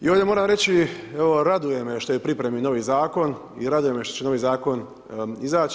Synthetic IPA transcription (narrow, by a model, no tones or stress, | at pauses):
ḭoʋdjemoɾaːmɾe̞t͡ɕie̞ʋo̞ɾad̪uje̞meʃt̪ojepɾipɾe̞mino̞ʋizaːko̞n | ḭɾad̪uje̞meʃt̪ot͡ɕeno̞ʋizaːko̞n | izaːt͡ʃ